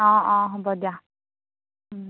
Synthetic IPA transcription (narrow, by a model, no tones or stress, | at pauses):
ɔ̃ɔ̃ɦɔbɔdija